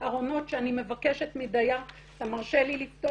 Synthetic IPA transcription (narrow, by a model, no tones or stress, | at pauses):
aʁo̞no̞tʃeanime̞vake̞ʃetmidaja | tamaʁʃelilift̪o